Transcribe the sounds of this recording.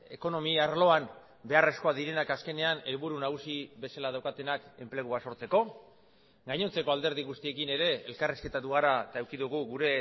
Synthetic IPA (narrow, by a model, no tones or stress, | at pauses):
e̞̰ko̞no̞miaɾlo̞an | be̞are̞sko̞aðiɾe̞nakaske̞ne̞ane̞lβuɾunaɣ̞usiβe̞salað̞awkat̪e̞nake̞mple̞ɣ̞uaso̞ɾt͡se̞ko̞ | ɡajɲo̞nt͡se̞ko̞ald̪e̞ɾð̞iɣust̪ie̞kine̞ɾe̞elkariske̞t̪at̪uɣaɾat̪aewkiðuɣ̞uɣuɾe̞